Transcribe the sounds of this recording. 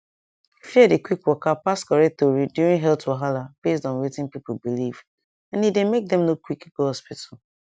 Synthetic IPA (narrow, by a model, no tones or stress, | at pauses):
fiɛdekwikwɔkapaskɔɹɛk̚tɔɹidjuɹĩŋɦɛltoɦalab̥estɔ̃nwetɪ̃npip̩biliv | ɛ̃nidemek̚dɛ̃mnokwikɡohɔspitʰal̩